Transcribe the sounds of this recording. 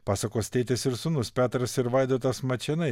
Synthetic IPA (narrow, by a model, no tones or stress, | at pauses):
pɑːsɐkoːsʲt̪ʲɛɪt̪ʲɪsɪɾsʊnʊspʲæːt̪ɾɐsɪɾʋɐɪd̪oːt̪ɐsmɐt͡ʃʲɛnɐɪ